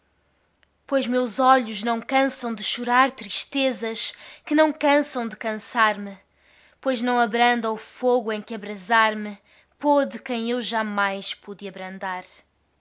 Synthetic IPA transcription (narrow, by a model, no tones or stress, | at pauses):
pojʒmewzɔʎuʒnɐ̃w̃kɐ̃sɐ̃w̃d̪ɨʃuɾaɾt̪ɾiʃt̪ezɐʃkɨnɐ̃w̃kɐ̃sɐ̃w̃d̪ɨkɐ̃saɾmɨ | pojʒnɐ̃w̃ɐβɾɐ̃nd̪ɐ̃ufoɣuẽj̃kɨɐβɾɐzaɾmɨ | pɔðɨkɐ̃j̃ewʒamajʃpuðɨɐβɾɐ̃nd̪aɾ